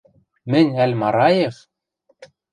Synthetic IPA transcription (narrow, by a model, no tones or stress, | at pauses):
mɘ̆nʲælʲmɑɾɑjef